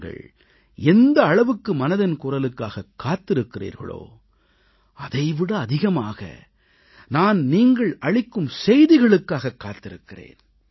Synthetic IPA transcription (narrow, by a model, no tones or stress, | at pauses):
ɡɐ̰ɭ | ɛnd̪ɐːɭɐʋɯkːɯmɐnɐðɐnkʊrɐlɯkːaːɣɐkːaːt̪ːɪɾɯkːɪrḭːɾɣɐ̰ɭo̰ː | ɐðɐɪʋɪɽɐːðɪɣɐmaːɣɐ̰ | naːnniːŋɡɐɭʔɐɭɪkːɯmsɛjðɪɣɐɭɯkːaːɣɐkːaːt̪ːɪɾɯkːɪrḛːn